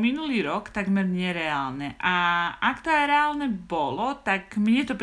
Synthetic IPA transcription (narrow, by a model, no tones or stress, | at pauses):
minuliːɾɔkt̪aɡmɛɾɲɛɾɛaːlnɛʔaʔakt̪ɔajɾɛaːlnɛbɔlɔt̪akmɲɛt̪ɔpɾ